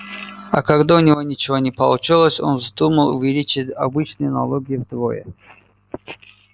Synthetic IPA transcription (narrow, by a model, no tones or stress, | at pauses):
a̰kaɡd̪aʊnʲɪvonʲit͡ɕɪvonʲɪpɐlˠut͡ʃilˠəsʲo̰nzd̪uməlˠṵvʲɪlʲit͡ɕɪtʲa̰bɨt͡ʃnɨjna̰lˠoɡʲiɪvd̪vojə̰